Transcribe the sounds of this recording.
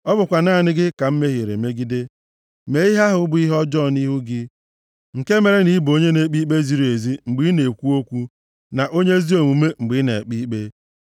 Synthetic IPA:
ɔ˦bʊ˨kʷa˨naː˦˨nɪ˦ɡɪ˦ka˨m̩˦me˦ɦi˨ɾḛ˨me˦ɡi˦de˦ | me˨˦i˦ɦa˦ɦʊ˦bʊ˦i˦ɦɔ˦d͡ʒɔ˦˨ni˦ɦu˦ɡɪ˦ | ŋ̩˨ke˦me˨ɾe˦ni˨˦bo˦ɲe˦ne˦k͡pi˦k͡pe˦zi˦ɾi˨e˨zi˦ŋ͡m̩˨ɡ͡bi˦ne˨kʷu˦o˦kʷu˦ | na˨ʔo˦ɲe˦zi˦o˨mu˨me˦ŋ͡m̩˨ɡ͡bɪ˨˦ne˨k͡pi˦k͡pe˦

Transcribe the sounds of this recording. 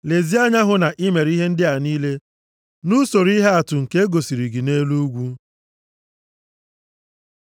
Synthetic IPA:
le˨zi˦a˦ɲa˦ɦʊ˦na˨ʔi˦me˨ɾi˦ɦe˦n̩˦dɪ˦a˨niː˦le˦ | nu˦so˨ɾi˦ɦe˦a˨tʊ˨ŋ̩˨ke˦e˦ɡo˨si˨ɾi˨ɡi˨ne˦lu˦ɡʷu˦

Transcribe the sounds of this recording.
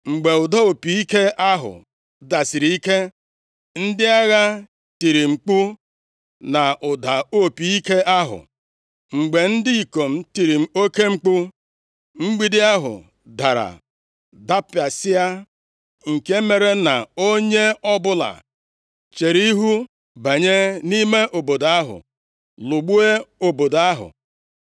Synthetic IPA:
ŋ͡m̩˨ɡ͡be˨ʊ˨da˦o˨pi˨i˦ke˦ʔa˦ɦʊ̰˨ | da˨si˨ɾi˨i˦ke˦ | n̩˦dɪ˦a˦ɣa˦ | ti˨ɾi˨ŋ͡m̩˨k͡pu˦ | na˨ʔʊ˨da˨o˦pi˨i˦ke˦ʔa˦ɦʊ̰˨ | ŋ͡m̩˨ɡ͡be˨n̩˦dɪ˦i˨ko˨m̩˨ti˨ɾi˨m̩˦o˦ke˦ŋ͡m̩˦k͡pu˦ | ŋ͡m̩˦ɡ͡bi˦dɪ˦a˦ɦʊ̰˨ | da˨ɾa̰˨ | da˦pɪ˨a˨sɪ˦a˦ | ŋ̩˨ke˦me˨ɾe˦na˨o˦ɲe˦ɔ˦bʊ˦la̰˨ | t͡ʃe˨ɾi˦ɦu˦ | ba˨ɲe˦ni˦me˦ʔo˨bo˨da˦ɦʊ̰˨ | lʊ˨ɡ͡bu˦e˦o˨bo˨da˦ɦʊ̰˨

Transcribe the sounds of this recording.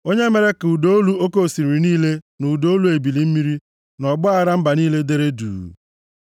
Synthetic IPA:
o˦ɲe˦me˨ɾe˦ku˨do˦o˦lu˦o˦ko˦˨si˨ɾi˨niː˦le˦nu˨u˨do˦lu˨˦e˨bi˨li˨m̩˦mi˦ɾi˦ | nɔ˨ɡ͡bʊ˦a˦ɾa˦m̩˦ba˨niː˦le˦de˦ɾe˦dṵː˨

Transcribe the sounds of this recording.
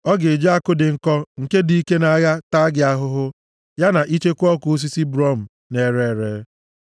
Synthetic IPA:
ɔ˦ɡɪ˨d͡ʒa˦a˦kʊ˦dɪ˨ŋ̩˨kɔ˦ŋ̩˨ke˦di˨˦i˦ke˦na˨˦ja˦ta˦ɡɪ˨a˦ɦʊ˦ɦʊ˦ | ja˦na˨ʔi˦t͡ʃe˦kʷɔ˦kʊ˨o˦s̬i˦si˦bɾɔ˦˨m̩˨ | ne˨ɾe˨ɾe˨˦

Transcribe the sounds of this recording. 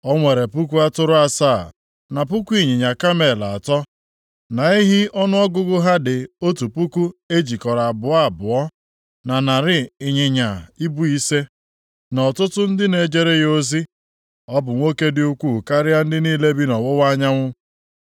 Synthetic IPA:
ɔ˦ŋʷe˨ɾe˨pu˦ku˦a˦tʊ˦ɾʊ˦a˦saː˦˨ | na˨p̬u˦kʷu˦i˦˨ɲɪ˨ɲa˨ka˦me˨la˨a˨tɔ˦ | na˨i˦ɦɪ˦ɔ˦nʊ˦ɔ˦ɡʊ˦ɡʊ˦ɦa˦dɪ˨o˦tu˨pu˦ku˦e˦d͡ʒi˨kɔ˨ɾa˨a˨bʊ˨a˦a˨bʊ˨ɔ˦ | na˨na˨ɾɪ˨ɪ˨ɲɪ˨ɲa˨i˦bu˦i˦se˦ | nɔ˨tʊ˦tʊ˦n̩˦dɪ˦ne˨d͡ʒe˦ɾe˦ɣo˦zi˦ | ɔ˦bʊ˨ŋʷo˦ke˦dɪ˦u˦kʷu˦˨ka˦ɾɪ˦a˦n̩˦dɪ˦niː˦le˦bi˦nɔ˨wo˦wa˦ɲa˦ŋʷʊ˦

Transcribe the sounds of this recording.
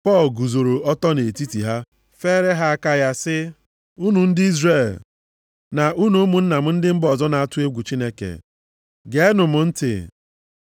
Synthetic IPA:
pɔ˦˨lɡu˨zo˨ɾo˨ɔ˦tɔ˦ne˨ti˦ti˨ɦa˦ | fe˦ɾe˦ɦa˦a˦ka˦ja˦sɪ˦ | u˦nu˨n̩˦dɪ˦i˦zre˦˨l | na˨ʔu˦nu˦mu˨n̩˦na˨m̩˦n̩˦dɪ˦m̩˦bɔ˨zɔ˦na˨a˦˨tʊ˦e˦ɡʷu˨t͡ʃi˦ne˦kḛ˨ | ɡe˦nʊ˨mʊ˨n̩˦tɪ̰˨

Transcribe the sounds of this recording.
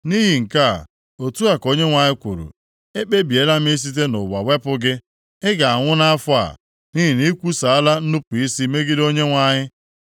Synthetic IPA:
ni˦ɦi˨ŋ̩˨ka˦˨ | o˨tu˦a˨ko˦ɲe˦ŋʷa˨ɲɪ˦kʷṵ˨ɾṵ˨ | e˦k͡pe˦bi˨e˨˦la˦m̩˦i˦s̬i˦t̬e˦nʊ˨wa̰˨we˦pʊ˦ɡɪ˦ | ɪ˦ɡa˨a˨ŋʷʊ˦na˦a˦fʊ˦a̰˨ | ni˦ɦi˨ni˦kʷu˦sa˨a˦la˦n̩˦nu˦pʊ˨i˦si˦me˦ɡi˦do˦ɲe˦ŋʷa˨ɲɪ˦

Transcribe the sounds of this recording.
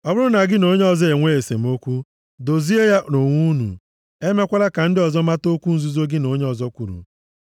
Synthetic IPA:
ɔ˦bʊ˦ɾʊ˦na˨ɡɪ˦no˦ɲe˦ɔ˨zɔ˦e˨ŋʷe˦e˨sḛ˨m̩˦o˦kʷu˦ | do˨zi˦e˦ja˦no˨ŋʷu˦nṵ˨ | e˦me˦kʷa˦la˦ka˨n̩˦dɪ˦ɔ˨zɔ˦ma˦to˦kʷu˦n̩˨zu˦zo˦ɡɪ˦no˨˦ɲe˦ɔ˨zɔ˦kʷu˨ɾṵ˨

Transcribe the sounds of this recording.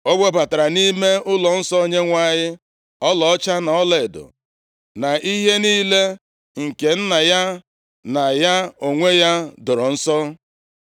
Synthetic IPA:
o˦ɡ͡be˦ba˨ta˨ɾa˨ni˦me˦ʊ˦lɔ˨n̩˦sɔ˦o˦ɲe˦ŋʷa˦˨ɲɪ˦ | ɔ˦lɔ˨ɔ˦t͡ʃa˦na˨ɔ˦le˨dʊ̰˨ | na˨ʔi˦ɦe˦niː˦le˦ | ŋ̩˨ke˨n̩˦na˨ja˦ | na˨ja˦o˨ŋʷe˦ja˦dʊ˨ɾɔ˨n̩˦sɔ˦

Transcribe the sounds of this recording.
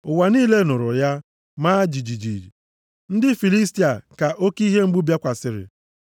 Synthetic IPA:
ʊ˨wa˨niː˦le˦nʊ˨ɾʊ̰˨ja˦ | maː˦d͡ʒi˨d͡ʒi˨d͡ʒḭ˨ɾḭ˨ | n̩˦dɪ˦fi˨li˦sti˨a˨ka˨ʔo˦ki˦ɦe˦ŋ͡m̩˦ɡ͡bu˦bja˦kʷa˨sɪ˨ɾɪ̰˨

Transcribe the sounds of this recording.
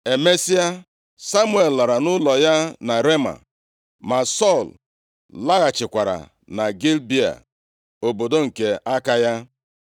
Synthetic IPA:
e˨me˦si˦a˦ | sa˦mu˦e˨lla˨ɾa˨nʊ˦lɔ˨ja˦na˨ɾe˦ma̰˨ | ma˨sɔ˦˨l | la˦ɣa˨t͡ʃɪ˨kʷa˨ɾa̰˨ | na˨ɡi˦lbi˦a̰˨ | o˨bo˨do˦ŋ̩˨ke˨a˦ka˦ja˦

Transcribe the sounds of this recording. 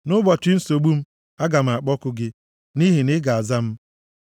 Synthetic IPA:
nʊ˦bɔ˨tɪ˦n̩˦so˨ɡ͡bu˦m̩˦ | a˦ɡa˨m̩˨a˨k͡pɔ˦kʊ˦ɡɪ˦ | ni˦ɦi˨nɪ˦ɡa˨a˨za˦m̩˦

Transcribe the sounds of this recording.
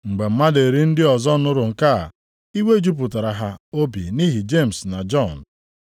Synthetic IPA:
ŋ͡m̩˨ɡ͡be˨m̩˦ma˦de˨ɾi˦n̩˦dɪ˦ɔ˨zɔ˦nʊ˦ɾʊ˨ŋ̩˨ka̰˦˨ | i˦we˦d͡ʒu˦p̬ʊ˨ta˨ɾa˨ɦa˦o˦bḭ˨ni˦ɦi˨d͡ʒe˦˨m̩˨sna˨d͡ʒɔ˦˨n

